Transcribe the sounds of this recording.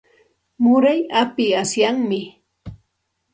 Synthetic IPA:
mʊɾajapɪasjaŋmɪ

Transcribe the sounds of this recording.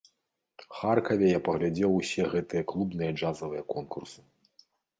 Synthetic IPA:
xarkɐvʲɛjapɐɣlʲad͡zʲɛwusʲɛɣɛt̪ɨjɐklˠubnɨjɐd͡ʐazɐvɨjɐkɔnkursɨ̥

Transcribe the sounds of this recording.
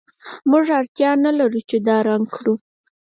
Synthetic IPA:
muʐaɾt̪jɑnalaɾut͡ʃed̪ɑɾaŋɡkɽu

